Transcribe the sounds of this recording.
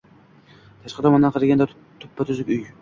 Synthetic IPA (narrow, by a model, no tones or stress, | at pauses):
t̪ʰaʃqɑt̪ɒmɒnd̪anqʰɨɾɪɡʲand̪a | t̪ʰʊ̥pʰːat̪ʰʊzɪkʲʊj